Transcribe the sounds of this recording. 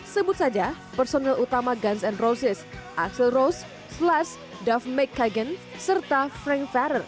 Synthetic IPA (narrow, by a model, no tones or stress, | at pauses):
səbʊt̪̚sad͡ʒa | pərsonɛlʔut̪amaɡansɛnrosɪsʔaksəlros | slas | dafmɛkʰːaɡənsərt̪afɾɛŋkfaɾər